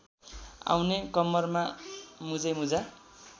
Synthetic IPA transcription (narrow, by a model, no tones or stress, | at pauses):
a̰wnekʌmːʌrmamud͡zʌjmud͡za